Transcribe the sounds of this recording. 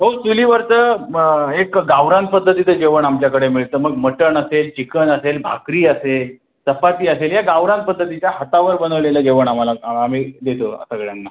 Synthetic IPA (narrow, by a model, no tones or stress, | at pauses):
ɦosuliːʋəɾt͡sə | ekɡaʋɾãnt̪̚pəd̪ʱːət̪it͡s̪əd͡ʑeʋəɳamt͡ɕjakəɽemiɭt̪əːməɡməʈəɳəselt͡ɕikənəselbʱa̰kɾiːəsel | səpat̪iːəseljaɡaʋɾãnt̪̚pəd̪ʱːət̪it͡ɕjaɦat̪aʋəɾbənəʋleləːd͡ʑeʋəɳam̤alaamid̪et̪oə̰səɡɭjanːa